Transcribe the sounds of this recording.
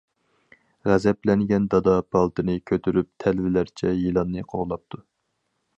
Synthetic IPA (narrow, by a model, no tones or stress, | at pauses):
ʁæzɛplɛnɡʲɛnd̪ɑd̪ɑbʰɑlˠt̪ʰɨnɨkʲʰøt̪ʰyɾyp̚t̪ʰɛlvɪlæɾt͡ʃʰɛjilˠɑnːɨqʰoʁlˠɑp̚t̪ʰu